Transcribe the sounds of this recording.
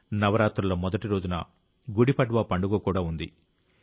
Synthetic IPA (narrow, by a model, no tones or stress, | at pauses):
nɐʋɐɾaːt̪ɾulɐmɔd̪ɐʈiɾo̞ːd͡ʒunɐ̰ | ɡuɽipɐɖʋaːpɐɳɖuɡoːkuːɽaːund̪ḭ